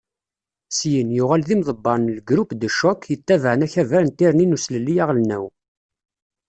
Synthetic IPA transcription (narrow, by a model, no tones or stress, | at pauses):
sjənjʊʁælðimðˤəbːɑnlɡɾupd̪əʃːɔkjət̪ːævəʕənæçævæɾənt̪ːiɾninusləlːijæʁlnæw